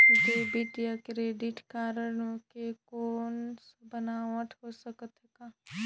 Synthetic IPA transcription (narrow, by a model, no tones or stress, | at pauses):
d͡ʒeːbid̪ijakɾeːɖɪʈkaːɾənokekoːnsbənaʋəʈʰɦosəkət̪ɦekaː